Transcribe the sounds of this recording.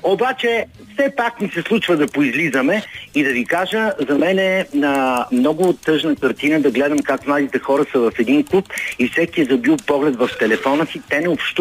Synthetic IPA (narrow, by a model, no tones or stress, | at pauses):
obat͡ʃɛ | fsɛpakmisɛslˠut͡ʃvəd̪ɐpʊizlizəmɛid̪ɐvikaʒəzɐmɛnɛnɐmnɔɡʊːt̪ːɤʒnəkɐɾt̪inəd̪ɐɡlɛd̪əmkakmlˠad̪it̪ɛxɔɾəsɐvɐfɛd̪inklˠupifsɛkiɛzɐbilˠpɔɡlɛt̪vɐft̪ɛlɛfɔnəsit̪ɛnɛopʃt̪